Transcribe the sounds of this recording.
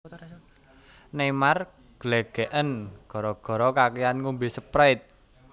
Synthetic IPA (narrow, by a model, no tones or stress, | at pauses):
nemar | ɡ̥leɡ̥eʔənɡ̥ɔ̤ɾɔɡ̥ɔ̤ɾɔkakejanŋumbisəpɾaɪt̪̚